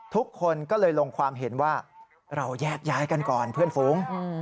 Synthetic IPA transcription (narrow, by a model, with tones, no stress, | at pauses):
t̪ʰu˦˥kʰːo˧nkɔː˥˩lɤː˧jlo˧ŋkʰwaː˧mɦe˩˦nwaː˥˩ | ɾa˧wjɛː˥˩k̚jaː˦˥jka˧nkɔː˨˩npʰɯ˥˩ənfuː˩˦ŋ